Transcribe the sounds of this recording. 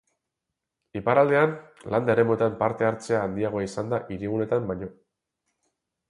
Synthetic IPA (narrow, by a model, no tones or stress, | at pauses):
ipaɾald̪e̞anland̪aeɾe̞muoet̪ampaɾt̪e̞aɾt͡se̞aːnd̪iaɣ̞o̞aisand̪aʔiɾiɣune̞t̪ambaɲo̞